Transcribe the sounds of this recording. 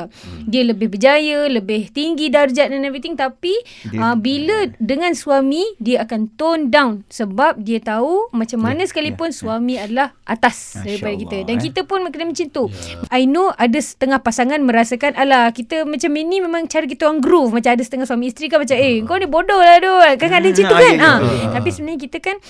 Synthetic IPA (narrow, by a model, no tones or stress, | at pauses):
diələbɪhbəd͡ʒajələbɪht̪iŋɡidard͡ʒaʔ̚danavit̪ɪŋt̪apiəbilədəŋãnsuamĩdiəakant̪ɔndawnsəbap̚diət̪aumat͡ʃamːanəsə̥kalipʊnsuamĩadalahʔa̰t̪asdaɾipadakit̪ədankit̪əpʊnkənəmə̃t͡ʃint̪uajnoʔadəsə̥t̪əŋahpasaŋanmə̃ɾasakanalakit̪əmat͡ʃaminimẽmãŋt͡ʃaɾək̬it̪əaŋɡɾufmat͡ʃamadəsə̥t̪əŋahsuamiːst̪ɾikanmat͡ʃameəŋkanibodɔhladokaŋdət͡ʃint̪ukanat̪apisəbənaɲək̬it̪əkan